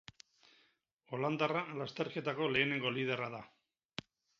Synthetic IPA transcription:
o̞land̪aralast̪e̞ɾke̞t̪ako̞le̞ːne̞ŋɡo̞lið̞e̞raða

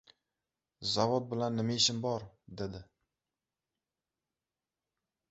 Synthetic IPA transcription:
zavot̪̚bɪlanːɪmaɪʃɪmbɒɾd̪e̞d̪ɪ

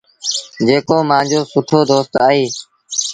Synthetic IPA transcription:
d͡ʒeːkoːmãːd͡ʒoːsʊʈʰoːd̪oːst̪aːɦiː

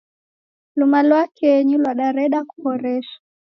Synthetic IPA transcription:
lumalwakɛɛɲilwaɗaɾɛɗaku̥kɔɾɛʃḁ

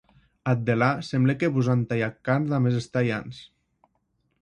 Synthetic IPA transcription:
at̪̚d̪elasemblekeβuzant̪ajakːanðamezest̪aja̰ns

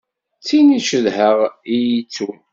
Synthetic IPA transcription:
t͡sːiniʃəðhəʁijit͡sːu

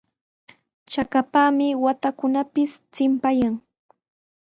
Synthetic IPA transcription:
t͡ʃakapaːmɪwat̪akʊnapɪst͡sɪmpajaŋ

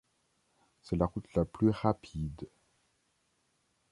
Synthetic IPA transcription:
sɛlaʁut̪laplyʁapʰid̪

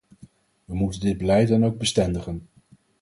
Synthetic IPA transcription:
ʋəmutəndɪd̚bəlɛjt̚dɑnowɡ̚bəstɛndəχən

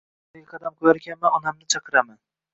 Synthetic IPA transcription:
ɡʲaqʰɑd̪amkʰoɾaɾkʲanmanʊnamnɪt͡ʃʰɑqʰɨɾaman

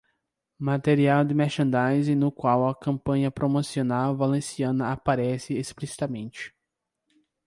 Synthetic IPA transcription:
mat̪eɾiawd̪ɪmɛɾʃɐ̃nd̪ajzɪ̃nʊkwawɐkɐ̃mpɐ̃ɲɐpɾomosionawvalẽsiɐ̃nɐapaɾɛsɪesplisi̥t̪ɐmẽnt͡ʃɪ̥

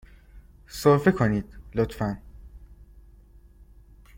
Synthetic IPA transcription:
soɾfekʰoniːd̪̥lot̪fæn

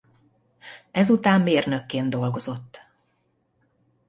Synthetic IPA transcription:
ɛzut̪aːmːeːrnø̞kːeːnd̪o̞lɡo̞zo̞t̪ː

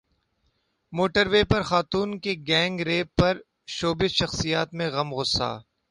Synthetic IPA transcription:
moːʈəɾʋeːpɐɾxaːt̪uːnkeɡɛ̃ːŋɡɾeːpɐɾ | ʃoːbɪʃɐxsijaːt̪mẽɣɐmɣʊsːa̰ː

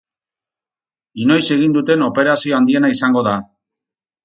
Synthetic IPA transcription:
ino̞jse̞ɣ̞ind̪ut̪e̞no̞pe̞ɾasioand̪ie̞naisaŋɡo̞ða

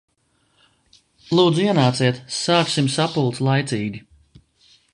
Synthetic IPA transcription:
lˠuːd̪zuiɛnaːt̪siɛt̪saːksimsapulˠt̪slˠajt̪siːɡʲi

